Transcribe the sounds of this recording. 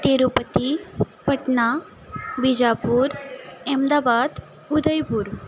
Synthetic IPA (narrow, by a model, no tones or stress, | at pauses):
t̪eɾupət̪i | pəʈɳa | bid͡ʑapuɾemd̪aːbad̪ | ud̪əjpuːɾ